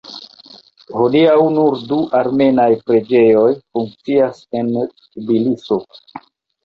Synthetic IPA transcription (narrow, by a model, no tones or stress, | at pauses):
ho̞diawnuɾduʔaɾme̞najpɾe̞d͡ʒe̞jo̞jfuŋk̚t͡siase̞n | biliso̞